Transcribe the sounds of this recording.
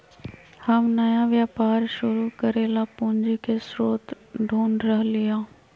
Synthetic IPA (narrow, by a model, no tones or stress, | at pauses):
hɐmnɐjaʋjaːpaːɾʃʊɾukɐɾeːlapũːɲd͡ʒikesɾoːt̪ | ɖʱuːnɖɾəɦlɪjãː